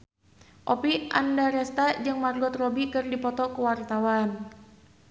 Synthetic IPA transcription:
ʔɔpia̰ndaɾɛst̪ad͡ʒɨŋmarlɔt̪rɔbikɨrdipɔt̪ɔkəwart̪awan

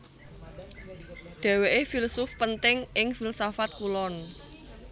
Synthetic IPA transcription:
ɖ̪̥ɛ̤weʔefilsʊfpənt̪ɪŋʔɪŋfilsafat̪̚kulɔn

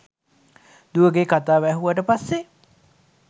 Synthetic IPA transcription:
d̪uʋəɡekat̪aːʋæɦuʋəʈəpasːe

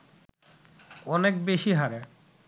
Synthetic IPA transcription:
ɔnek̚beʃiɦaɾe

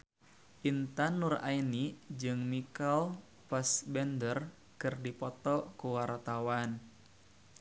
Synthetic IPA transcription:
ʔint̪anːura̰inid͡ʒɨŋmikal | pasbɛndər | kɨrdipɔt̪ɔkuwart̪awan

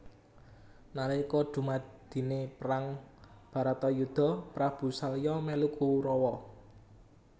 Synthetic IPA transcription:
nalikɔɖ̪̥ṳmad̪̥i̤nepəɾaŋb̥ä̤ɾat̪ɔjud̪̥ɔ̤pɾab̥ṳsalijɔmɛlukʰuɾɔwɔ

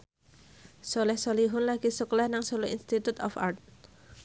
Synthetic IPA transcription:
solɛhsɔliɦʊnlaɡisuklahnaŋsoloḭnst̪it̪ut̪ɔfa̰rt̪̚

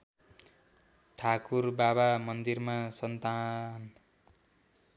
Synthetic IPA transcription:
t̪ʰakurbaβamʌnd̪irmasʌnt̪an

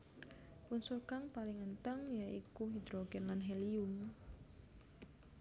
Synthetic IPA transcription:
punsurkaŋpalɪŋənt̪əŋjaʔikuɦid̪ɾoɡɛnlanɦɛlium

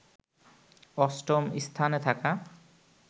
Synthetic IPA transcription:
ɔsʈomist̪ʰanet̪ʰaka

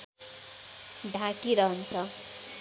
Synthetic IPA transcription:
ɖʱãkiɾʌɦʌnt͡sʰʌ

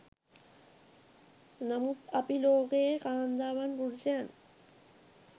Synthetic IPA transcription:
nɐmut̪ɐpiloːkeːkaːnd̪aːʋanpuɽsaːn

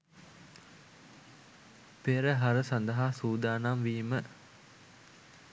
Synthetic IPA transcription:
peɾəɦaɾəsand̪ɐɦaːsuːd̪aːnamʋiːmə

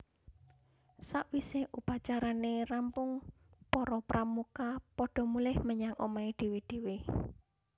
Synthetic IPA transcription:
saʔwiseʔupat͡ʃaɾanerampʊŋ | pɔɾɔpɾʔamukapɔɖ̥ɔ̤mulɪhməɲaŋʔo̰maed̪̥e̤wed̪̥e̤we

